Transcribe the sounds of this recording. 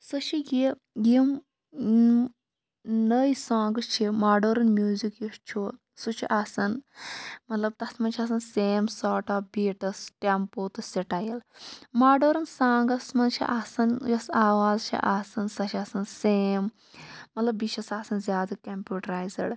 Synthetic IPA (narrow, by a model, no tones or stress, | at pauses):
sɐʃʰiɡi | jim | nəjsãːŋɡɐt͡ʃʰimaːɖoːɾɐnmʲjuːzikjiʃt͡ʃʰu | sut͡ʃʰiʔaːsɐn | mɐt̪lɐb̚t̪ɐsmɐnt͡ʃʰiɐːs̬ɐnseːmsaːʈaːfbiːʈɐsʈempoːt̪ɨsiʈajɐlmaːɖoːɾɐnsãːŋɡɐsmɐnt͡ʃʰḭʔaːsɐnjɐsaːʋaːzt͡ʃʰḭʔaːsɐnsɐʃʰiasɐnseːmː | ɐt̪lɐbːiʃʰɐsaːsɐnzʲjaːd̪ɐkɐmpʲjuːʈɐɾaːjzɐ̰ɖ